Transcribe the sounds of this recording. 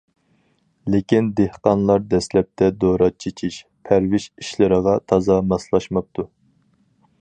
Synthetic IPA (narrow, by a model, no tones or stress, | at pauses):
lɪkʲind̪ehqɑnlˠɑɾd̪ɛslɛp̚t̪ʰɛd̪oɾɑt͡ʃʰet͡ʃʰiʃ | pʰæɾvɪʃiʃlɪɾəʁɑt̪ʰɑzɑmɑslˠɑʃmɑp̚t̪ʰu